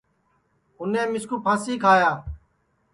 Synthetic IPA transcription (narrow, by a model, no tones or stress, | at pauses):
ʊnẽːmɪskuːpʰãːsiːkʰaːjaː